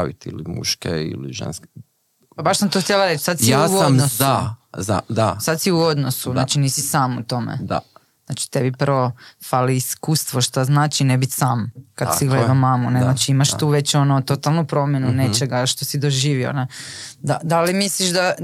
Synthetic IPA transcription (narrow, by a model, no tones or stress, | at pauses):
aʋḭt̪ḭlimṵʃkeḭlḭʒḛnsk | pabaʃsamt̪oxt̪jelaɾet͡ʃsad̪siasoadmnosaza̰d̪asad̪siuod̪nosuznat͡ʃiniːsisaːmut̪o̞mḛd̪a̰ | znat͡ʃi̥t̪ebiprʋo̞faliiskuːst̪ʋo̞ʃt̪aznaːt͡ʃinebit̪saːmkad̪iɡled̪amamuneznat͡ʃiimaʃt̪uːʋet͡ɕo̞not̪o̞t̪alˠnupɾo̞mjenunet͡ʃeɡaʃt̪o̞sid̪o̞ʒiːʋio̰ned̪ad̪alimisliʃd̪a